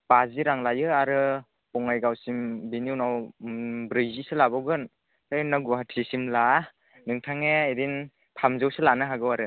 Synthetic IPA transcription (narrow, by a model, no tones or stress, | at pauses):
paziɾaŋlajɯaɾɯ | pɔŋajɡawsimbenunaw | bɾɯjzisɯlabaɡɯn | anaɡuɦatʰisimla | nɯŋtʰaŋeeɾin | pʰamzɯwsɯlanɯɦaɡɯwaɾɯ